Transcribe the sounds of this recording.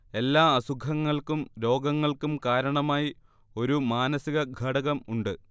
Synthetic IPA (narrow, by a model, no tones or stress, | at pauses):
e̞lːaːɐsuɡʰʱɐŋːɐɭkumɾo̞ːɡɐŋːɐɭkumkaːɾɐɳɐmaːji | o̞ɾumaːnɐsiɣɐɡʱɐɽɐɣɐmuɳɖɨ